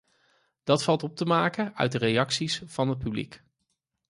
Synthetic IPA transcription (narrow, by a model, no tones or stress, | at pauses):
d̥ɑtfɑlˠtɔp̚təmaːkəœ̰ɥt̚dərejɑksisvɑnɦət̚pyblḭk